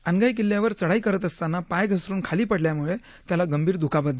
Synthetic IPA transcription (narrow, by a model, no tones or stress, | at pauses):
ənɡajk̬ilːjaʋəɾt͡səɽaikəɾət̪əst̪anːapajɡʱəsɾuːnkʰaliːpəɽljamuɭe | t̪jalaɡəmbʱiːɾd̪ʱukʰabət̪̚d͡z